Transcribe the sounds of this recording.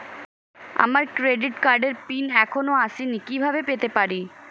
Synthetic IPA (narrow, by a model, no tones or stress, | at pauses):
a̰maɾkɾeɖiʈkaɾɖeɾpinɛkʰonoaʃinikibʱabepet̪epaɾi